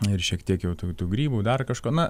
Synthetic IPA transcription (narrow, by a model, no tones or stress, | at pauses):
ɪrʃʲiɛkt̪ʲiɛkjɛʊt̪uːt̪uːɡɾʲiːbuːd̪ɐrkɐʃkoːnɐ